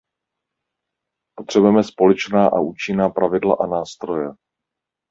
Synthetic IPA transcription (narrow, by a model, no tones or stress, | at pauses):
po̞t̪r̥ɛbujɛmɛspo̞lɛt͡ʃnaːʔa̰ʔuːt͡ʃɪnaːpɾavɪdlaʔanaːst̪ɾo̞jɛ